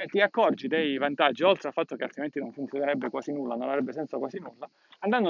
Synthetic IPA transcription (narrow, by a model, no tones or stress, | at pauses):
t̪ːiakːɔrd͡ʒid̪ɛjvant̪ad͡ʒːiɔlt̪ɾealfat̪ːokealt̪ɾiment̪inoɱfunt̪sjoneɾɛbːekwaːsinulːanonavɾɛbːesɛnsakwaːsinulːa | and̪and̪o